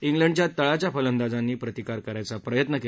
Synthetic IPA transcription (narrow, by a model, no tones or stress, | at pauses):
iŋɡləɳɖt͡ɕjat̪əɭat͡ɕjafələnd̪ad͡zanːiːpɾət̪ikaɾkəɾajt͡sapɾəjət̪nəke